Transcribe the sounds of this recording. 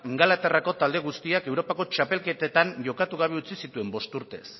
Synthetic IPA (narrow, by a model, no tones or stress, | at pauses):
iŋɡalat̪erako̞t̪ald̪e̞ɣ̞ust̪iake̞wɾo̞pako̞t͡ʃape̞lke̞t̪et̪aɲʝo̞kat̪uɣ̞aβ̞e̞ut͡sisit̪ue̞mbo̞st̪uɾt̪e̞̰s